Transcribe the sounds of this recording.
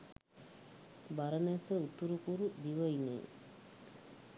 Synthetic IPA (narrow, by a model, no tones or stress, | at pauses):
baɾəmɛsəut̪uɾukuɾud̪iʋəinḛː